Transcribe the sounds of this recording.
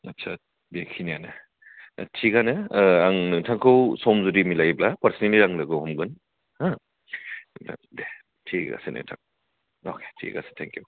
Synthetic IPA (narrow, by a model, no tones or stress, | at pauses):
ɐtsʰa | bekʰinijanɐ̰ | tʰiɡanɯaŋnɯtʰaŋkʰɯwsɔmzuɾimilajblapɐɾsniliɾaŋlɐɡɯwhɔmɡɯn | hã | da̰ŋde | tʰiɡa̰senʔḛtʰak | okʰe̥tʰḭɡa̰se̥tʰɛŋkju